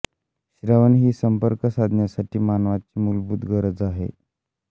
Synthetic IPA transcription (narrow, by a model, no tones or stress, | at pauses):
ɕɾaʋənɦiːsəmpəɾkəsad̪ʱnjasaʈʰiːmanʋat͡ɕiːmulbuːd̪ɡəɾəd͡zaɦḛ